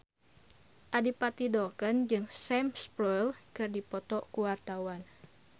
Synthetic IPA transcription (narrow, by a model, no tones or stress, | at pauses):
ʔadipat̪idɔkənd͡ʒɨŋsɛmspɾɔjlkɨrdipɔt̪ɔkuwart̪awan